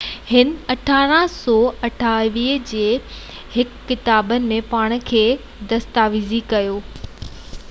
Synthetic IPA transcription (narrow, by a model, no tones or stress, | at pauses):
hɪnɐʈʰaːɾə̃ɦsɔːɐʈʰaːʋiːɦd͡ʑeː | hɪkːɪt̪aːbənɪ̆mẽpaːɽ̃̆kʰeː | d̪ɐst̪aːʋizikɐjoː